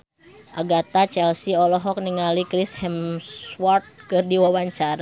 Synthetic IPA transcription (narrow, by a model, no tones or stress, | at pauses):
ʔaɡat̪at͡ʃɛlsiɔlɔɦɔk̚niŋalikɾishɛmswɔrt̪̚kɨrdiwawaɲt͡ʃaɾa